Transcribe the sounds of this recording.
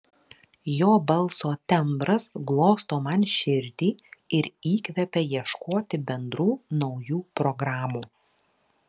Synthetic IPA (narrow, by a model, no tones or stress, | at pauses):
joːbɐlˠˑsoːt̪ʲɛmbɾɐsɡlˠoːst̪oːmɐnʃʲɪɾʲd̪ʲiːɪɾiːkʲʋʲɛpʲɛjiɛʃkoːt̪ʲɪbʲɛnd̪ɾuːnɒʊjuːpɾɔɡɾɑːmuː